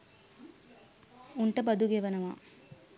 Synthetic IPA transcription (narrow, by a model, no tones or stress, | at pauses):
uɳʈɐbɐd̪uɡeʋɐnɐʋa̰